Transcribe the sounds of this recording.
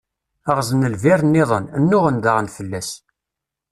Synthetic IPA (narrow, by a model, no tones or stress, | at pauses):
əʁzənəlvɪɾnːɪðˤənənːʊʁənd̪aʁnfəlːæs